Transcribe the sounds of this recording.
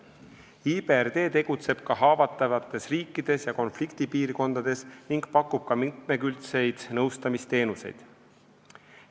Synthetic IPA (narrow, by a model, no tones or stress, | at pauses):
iːberd̪e̞ːt̪e̞ɡ̥ut̪se̞b̥̚kɑɦɑːvɑt̪ːˑɑvɑt̪ːˑe̞sriːkːˑid̪̥e̞sjɑko̞nflikt̪ipiːrko̞nd̪̥ɑd̪̥e̞sniŋɡ̥pɑkːˑub̥̚kɑmit̪̚me̞kylt̪se̞jd̪̥nɤwst̪ɑmist̪e̞ːnuse̞̰jd̪̥